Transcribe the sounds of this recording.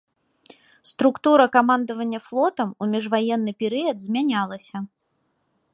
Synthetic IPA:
st̪ɾukt̪uɾɐkamand̪ɐvɐnʲːɐflˠɔt̪ɐmumʲiʐvajɛnːɨpʲɛɾɨjɐd̪zʲmʲanʲalˠɐsʲɐ

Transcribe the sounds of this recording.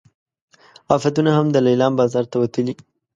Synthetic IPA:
ɑfat̪unahamd̪əlajlɑmbɑzɑɾt̪awat̪əli

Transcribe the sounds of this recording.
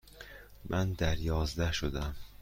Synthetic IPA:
mʔænd̪æɾjɒːzd̪æʃod̪æm

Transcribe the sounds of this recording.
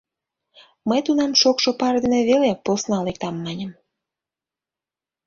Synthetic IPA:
məjt̪unɑmʃokʃopɑrd̪eneβeleposnɑlek̚t̪ɑmːɑnʲəm

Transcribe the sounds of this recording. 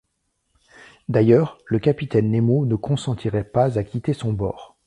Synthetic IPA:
d̪ajœːʁləkapit̪ɛnːemonəkɔ̃sɑ̃t̪ʰiʁɛpazakʲit̪esɔ̃bɔ̰ːʁ

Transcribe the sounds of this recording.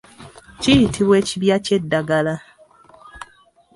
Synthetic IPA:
cijitʰiβwe̞ːciβjace̞dːaɡala

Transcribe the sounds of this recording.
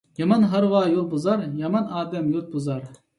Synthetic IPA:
jɑmɑnɦɑɾwɑːjolˠbuzɑɾjɑmɑnɑːd̪ɛmjut̪̚buzɑɾ

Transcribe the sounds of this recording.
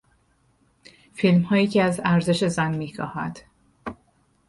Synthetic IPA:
filmhɒːjiːcʰeæzæɾze̞ʃe̞zænmiːxɒ̰ːhæ̰d̪̥

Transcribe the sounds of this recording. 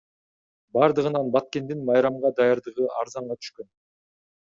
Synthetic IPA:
bɑɾd̪ɯʁɯnɑnbɑt̪̚ke̞nd̪inmɑjɾɑmʁɑd̪ɑjɑɾd̪ɯʁɯʔɑɾzɑɴʁɑt̪ʰy̥ʃkø̞n

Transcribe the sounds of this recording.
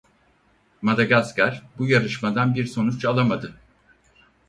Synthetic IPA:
mad̪aɡaskaɾbujaɾɯʃmad̪anbiɾso̞nut͡ʃalˠamad̪ɯ

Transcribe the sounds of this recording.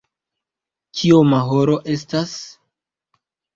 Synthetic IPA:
t͡ʃʰiomaɦoɾo̞ʔe̞s̬tas

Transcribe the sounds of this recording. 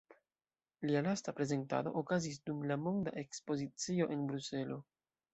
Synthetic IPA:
lialastapɾe̞ze̞nta̰do̞̰ʔokazis̬dumlamo̞ŋda̰ʔe̞kspo̞zit͡sio̞ʔe̞nbɾuse̞lo̞

